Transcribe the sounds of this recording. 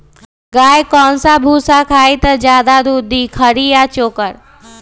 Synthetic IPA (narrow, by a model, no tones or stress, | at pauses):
ɡaːjkɔːnsabʱuːsakʰaːit̪ɐd͡ʒjaːd̪ad̪uːd̪ʱikʰəɽijat͡ʃoːkəɾ